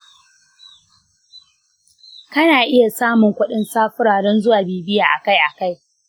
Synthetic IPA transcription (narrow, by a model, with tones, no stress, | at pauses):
kɐ˦naː˨ʔɪ˦ja˨saː˦mʊ˨ŋkʷʊ˦ɗɪ˦nsaː˦ɸʊ˦ɽaː˨ɽɛ˦nzʊ˦waː˨beː˨bɪ˦jaː˨ʔa˨ka˦jʔa˨ka˦j